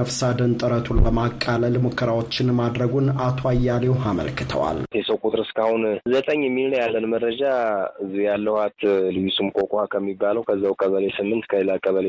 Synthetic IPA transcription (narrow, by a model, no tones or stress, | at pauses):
əfsad̪ənt̪ʼɨɾət̪ʰunbəmakʼːaləlmukʰːəɾawo̞t͡ʃːɪnmad̪ɾəɡunat̪ʰo̞ajːalewhamə̰lkʰɨ̥t̪ʰə̰wa̰lt̪ʰesəwkʼut̪ʼɨɾɨskʰahunzət̪ʼəɲːɛmːilnəwjalːənməɾɾəd͡ʒaɨzːijalːəhwat̪lɨjusumkʼokʼohakʰəmːibːaləwkʰəzːawkʰʼəβəlesɨmːɨnt̪kʰəlakʼəβəle